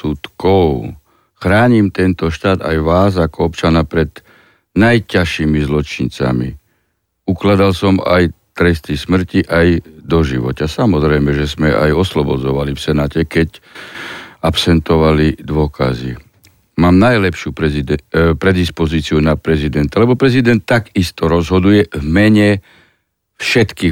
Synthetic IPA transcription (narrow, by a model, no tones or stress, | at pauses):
sut̪kɔʊ | xɾaːɲimt̪ɛnt̪ɔʃt̪aːd̪a̰jʋaːzakɔɔpt͡ʃanapɾɛd̪ | najcaʃiːmizlɔt͡ʃint͡sa̰mi | uklad̪alsɔma̰jt̪ɾɛst̪ismr̩ciʔajd̪ɔʒiʋɔcasamɔzɾɛjmɛʒɛzmɛʔa̰jɔslɔbɔd͡zɔʋalifsɛnaːcɛkɛc | apsɛnt̪ɔʋalid̪ʊɔkʰa̰zi | maːmnajlɛpʃu | pɾɛd̪ispɔziːt͡siunapɾɛzid̪ɛnt̪alɛbɔpɾɛzid̪ɛnt̪ːaɡist̪ɔɾɔzɦɔd̪ujɛvmɛɲɛ | fʃɛt̪kiː